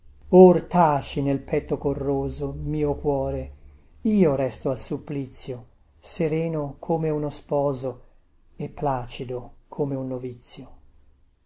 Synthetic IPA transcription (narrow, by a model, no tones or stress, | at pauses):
ort̪aːt͡ʃinelpʰɛt̪ːokorːoːzomiːokwɔːɾe | iːorɛst̪oalsupːlit̪sːjo | seɾɛːnokʰoːmeunospɔːzo | epːlaːt͡ʃid̪okʰoːmeunːovit̪sːjo